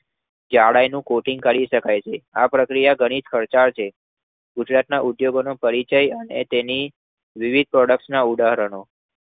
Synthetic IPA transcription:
d͡ʒaɽajnũkoʈiŋɡkəɭiʃəkajt͡ʃʰeapɾəkɾijaɡəɽ̃id͡ʒkʰəɾt͡ʃaɾt͡ʃʰe | ɡud͡ʒɾat̪naʔud̪joɡonopəɾit͡ʃəjənḛt̪eni | ʋiʋid̪̚pɾɔɖək̚ʈsnaud̪aɦɾəɳ̃o

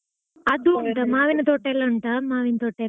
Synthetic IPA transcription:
ɐd̪uɳʈ̪ɐmaːʋinɐt̪oʈːelːɐɳʈ̪ɐmaːʋinɐt̪oʈːe

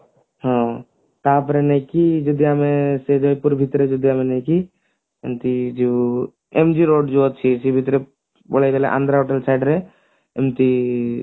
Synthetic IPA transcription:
ɦɔ̃ | t̪apɾenɛkid͡ʒud̪jamesed͡ʒojpuɾbʱit̪ɾed͡ʒud̪jamenɛki | ḛmt̪id͡ʒu | emd͡ʒiɾoɖd͡ʒuɔt͡ʃʰisibʱit̪ɾe | boɭajd̪elɛ̰ʔã̰nd̪ʱɾaɦoʈelsajɖɾe | ḛmt̪i

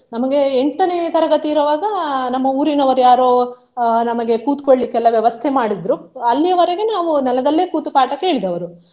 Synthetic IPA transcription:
nɐmɐɡe̞eɳʈːɐnet̪ɐɾɐɡɐt̪iːɾɐʋaːɡɐnɐmːɐuːɾinɐʋɐɾujaːɾoː | nɐmɐɡe̞kuːt̪koɭlikːɛlːɐʋjɐʋɐst̪ʰemaːɽid̪ɾuɐlːijɐʋɐɾeɡe̞naːʋunɛlɐd̪ɐlːeːkuːt̪upaːʈɐke̞ːɭid̪ɐʋɐɾu

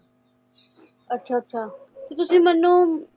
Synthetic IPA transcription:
ɐtːʃʰaɐt̪ːʃʰaː | t̪ot̪ʊsẽmɐnːõ

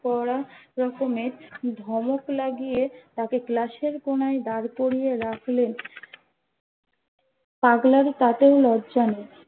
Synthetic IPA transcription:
kɔɾaɾɔkomeɾd̪ʱɔmoklaɡijet̪akeklaʃeɾkonaed̪aɾkoɾijeɾakʰlen | paɡlaɾt̪at̪eolɔdd͡ʑane

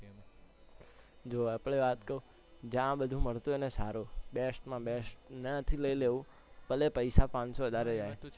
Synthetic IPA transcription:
d͡ʒoapɭeʋat̪kəɾũ | d͡ʒãbəd̪ʱũməɭt̪uenesaɾobesʈmãbesʈnət̪ʰiləileʋũ | pəlepəjsapãnsoʋəd̪ʱaɾed͡ʒaj

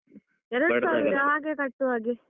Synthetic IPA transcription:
ɛɾɐɽusɐʋiːɾɐɦaːɡekɐʈːuʋaːɡi

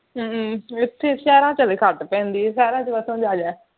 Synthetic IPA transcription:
ɪt̪ʰːeːsɛːɾãːt͡ʃəleːkʰəʈpɛ̃ːnd̪iːsɛːɾãːt͡ʃeʋəsõd͡ʒaːd͡ʒɛ̃ː

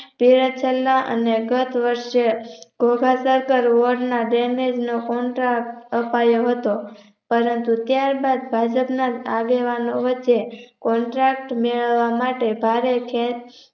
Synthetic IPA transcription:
piɾət͡ʃʰəlːaʔə̰neɡət̪ʰʋəɾʃeɡ̥ʱoɡʱasəɾkəɾʋəɾɖnaɖemed͡ʒnokɔɳʈɾak̚ʈəpajoɦət̪o | pəɾənt̪ut̪jaɾbad̪bʱad͡ʒəpnad͡ʒaɡeʋanoʋət͡ʃːekɔɳʈɾakʈmeɭəʋːamaʈebʱaɾekʰe

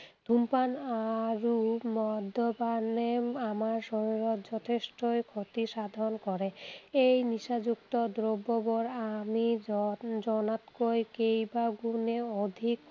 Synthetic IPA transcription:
d̪ʱumpanaɾumɔd̪ʱɔbaneamaɾsɔɾiɾɔt̪d͡ʑɔt̪ʰesʈojkʰot̪iʃad̪ʱɔnkɔɾeejniʃad͡ʑuk̚t̪ɔd̪ɾobːɔbɔɾami | d͡ʑɔnat̪kojkejbaɡuneod̪ʱik

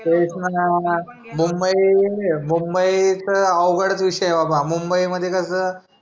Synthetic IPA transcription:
esna | mumbəimumbəit͡səəwɡəɽət͡sʋiʂəjebabamumbəiməd̪ʱːjekəsəː

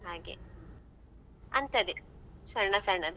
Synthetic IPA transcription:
ɦaːɡḛ | ɐnt̪ɐd̪esɐɾɳɐsɐɾɳɐ

